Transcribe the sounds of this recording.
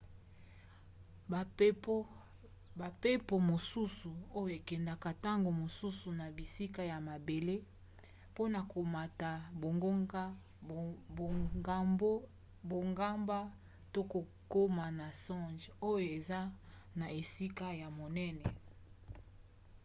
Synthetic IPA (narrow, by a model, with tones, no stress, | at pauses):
ba˨pe˦po˨mo˨su˦su˨o˦jo˦˨e˨kɛ˨nda˨ka˨ta˦ŋɡo˨mo˨su˦su˨na˨bi˨si˦ka˦˨ja˨ma˨be˨le˦ | po˦na˨ko˨ma˨ta˨bo˨ŋɡo˦ŋɡa˦˨ | a˦o˦ | bo˨ŋɡa˦mba˦ | to˦ko˨ | ko˦ma˨na˨sɔ̃˦ʒo˦jo˨e˨za˦ | na˨e˨si˦ka˦ja˨mo˨nɛ˦nɛ˨